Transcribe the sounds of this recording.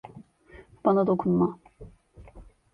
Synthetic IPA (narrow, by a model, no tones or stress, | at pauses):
b̥anad̪o̞kʰunma